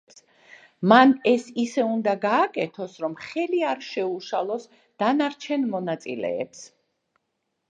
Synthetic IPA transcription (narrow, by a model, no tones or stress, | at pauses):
ps | manɛsisɛund̪aɡaːkʼɛt̪ʰɔsɾɔmχɛliaɾʃɛuʃalˠɔs | d̪̥anaɾt͡ʃʰɛnmɔnat̪sʼḭlɛ̰ːps